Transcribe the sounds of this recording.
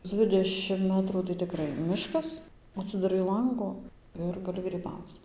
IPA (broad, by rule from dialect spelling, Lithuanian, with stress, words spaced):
ˈd͡zʲʋʲɪdʲɛʃʲɪm ˈmʲæːtruː tɐɪ tʲɪˈkrɐɪ ˈmʲɪʃkɐs ɐtʲsʲɪdɐˈrɐɪ ˈlˠɐŋɡʊ ˈɪr ɡɐˈlʲɪ ɡrʲiːˈbɐʊt͡s